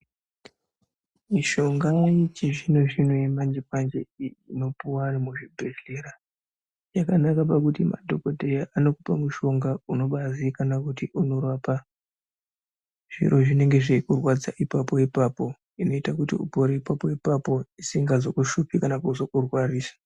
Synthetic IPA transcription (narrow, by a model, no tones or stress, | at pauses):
miʃo̞ŋɡait͡ʃiʐinoʐinojemand͡ʒipand͡ʒeiino̞puwamuʐibʱeɬeɾa | jakanakapakutima̰dʱo̞kodʱe̞jaʔano̞kupamuʃo̞ŋɡauno̞ɓazikanakutiʔuno̞raːpa | ʐ̥ḭɾo̞ʐine̞ŋɡe̞ʐeikurwad͡zaʔipapo̞ipaːpo̞ | ino̞itakutḭṵbʱoɾeipapo̞ipapo̞isiŋɡazo̞kuʃupikanakuzo̞kurwariːsḁ